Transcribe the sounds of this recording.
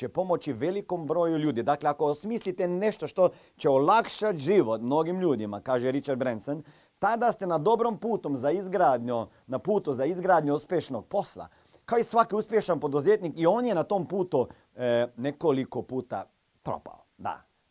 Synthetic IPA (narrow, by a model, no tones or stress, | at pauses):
epo̞mo̞t͡ʃiʋelikombɾo̞juʎuːd̪id̪aːkleakosmiːslit̪ene̞ʃt̪oʃt̪o | t͡ɕeolakʃat̪ʒiʋot̪mnoɡimʎuːd̪imakaːʒeɾit͡ʃaɾd̪bɾensen | t̪ad̪ast̪enad̪o̞bɾompuːt̪omzaizɡɾaːd̪ɲu | napuːt̪uzaizɡɾaːd̪ɲuuspʲjeʃnoɡ̥̚po̞slˠa̰ | kaoisʋakiuspjeʃanpo̞d̪uzeːt̪nikio̞ːnjenat̪oːmpuːt̪u | nekoliko̞puːt̪a̰ | pɾo̞̰pa̰od̪a̰